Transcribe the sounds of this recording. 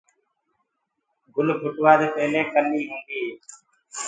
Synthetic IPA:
ɡʊlbʱʊʈʋaːd̪eːpəɦleːkənːiːɦʊ̃ːnd̪iː

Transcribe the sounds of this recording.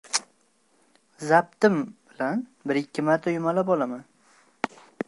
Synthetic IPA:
zap̚t̪ɪmb̥ɪlanbɪɾɪkʲʰːɪmaɾt̪ʰajʊmalabɒlaman

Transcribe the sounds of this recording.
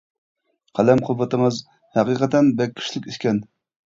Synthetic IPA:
qʰælɛmqʰʊbːət̪ɨmɨz | hæqiqʰət̪ɛnbɛkʲːʰi̥ʃlɪkʲiʃkʲɛn

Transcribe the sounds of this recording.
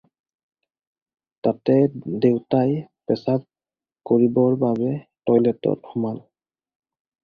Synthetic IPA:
tatɛdewtajpɛsap̚ | koɹibɔɹbabɛtɔjlɛtɔ̰t̚hɔmal

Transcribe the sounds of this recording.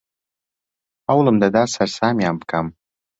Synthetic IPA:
awləmd̪ad̪aːsarsaːmjampkʰam

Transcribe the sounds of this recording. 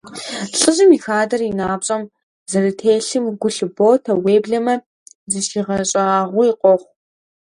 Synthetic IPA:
ɬʼɨʑɪmixaːdɐrinaːbɕʼɐm | zɐɾɨtʰeːɬɨmɡʷʊɬɨboːtʰɐweːbɮɐmɐ | zɨʃiʁɐɕʼɐaːʁʷʊiqʷɔχʷ

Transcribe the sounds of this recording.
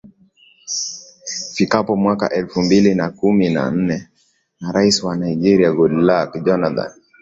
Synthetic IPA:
fikapɔmwaka̰ʔɛlfumbilinakumina̰n̩nɛ | naɾaisiwanaid͡ʒɛɾiaɡɔdlakd͡ʒɔnaθa̰n

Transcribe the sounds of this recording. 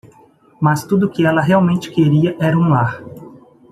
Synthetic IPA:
mɐst̪ud̪ʊkɪɛlɐɦeawmẽnt͡ʃɪ̥keɾiɐʔɛɾɐũaɾ

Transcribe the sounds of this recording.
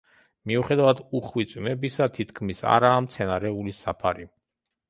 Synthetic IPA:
miuχɛd̪avad̪uχwit̪sʼwmɛbisat̪ʰit̪kʰmisa̰ɾaːmt̪sʰɛnaɾɛulisapʰaɾi

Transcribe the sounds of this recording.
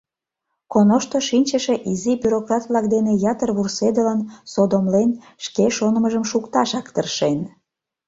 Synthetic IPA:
konoʃt̪oʃinʲt͡ɕəʃe̽ʔizibyɾokrɑt̪βlɑk̚d̪enejɑt̪ərβursed̪ələnsod̪omlen | ʃkeʃonəməʒəmʃukt̪ɑʃɑkt̪ərʃen

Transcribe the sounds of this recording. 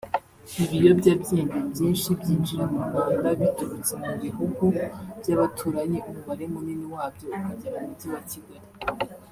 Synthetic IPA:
iβijo̞bɟaːbjiːndibjiːnʃibjiːnd͡ʒiɾemuɡaːndaβituɾut͡semuβiɦuɡuv̥ɟaβatʰuːɾaɲeʔumuβaɾe̞muniniwaːbjo̞ukaɟeɾamuɟiwatiɡaɾi

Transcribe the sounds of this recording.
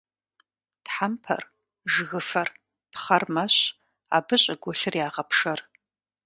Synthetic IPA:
tħampʰɐ̰r | ʒɣɨfɐr | pχɐrmɐɕ | a̰ːbɨɕʼɐɡʷɔɬɨrjaːʁɐpʰʂɐr

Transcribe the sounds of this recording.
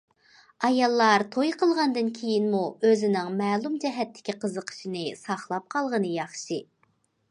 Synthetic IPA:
ɑjɑlˠːɑɾt̪ʰojqʰəlˠʁɑnd̪ɨnkʲʰejinmuøzɪnɪŋmɛːlˠumd͡ʒɛɦɛt̪ʰːɪ̥kʲiqʰəzəqʰə̥ʃinɨsɑχlˠɑp̚qʰɑlˠʁənɨjɑχʃɨ

